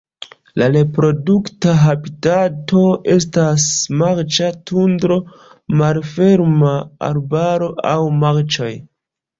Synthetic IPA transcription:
laɾe̞pɾo̞duktaɦabitato̞ʔe̞s̬tasmaɾt͡ʃatundɾo̞ | malfe̞ɾmaa̰ɾbaɾo̞ʔawmaɾt͡ʃo̞j

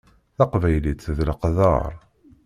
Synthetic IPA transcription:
θɑqvæjlit͡s̪ːðləqðə̰ɾˤ

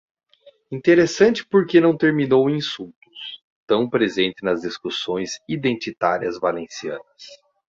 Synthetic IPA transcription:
ĩnt̪eɾesɐ̃nt͡ʃɪ̥poɾkenɐ̃w̃t̪eɾminowĩsuwt̪ʊ̥s | t̪ɐ̃w̃pɾezẽnt̪ɪnɐzd̪iskusõj̃zid̪ẽnt͡ʃ̪it̪aɾiɐzvalẽsiɐ̰̃nɐs

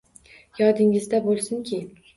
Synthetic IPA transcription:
jɒd̪ɪŋɪzd̪abolˠsʊŋkʲʰɪ

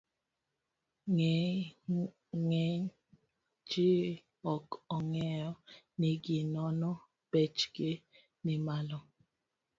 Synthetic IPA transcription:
ŋ | ŋɛ | d͡ʒi | ɔkɔŋɛɔ | niɡinɔnɔ | b̥et͡ʃɡe | nimalɔ

